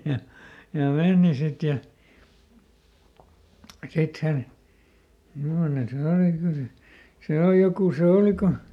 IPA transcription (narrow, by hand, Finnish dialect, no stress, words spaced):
jɑ jɑ meˑni sit jɑ sit hæn mimːone se oˑli kyl se se oˑl jokuˑ se oˑli ko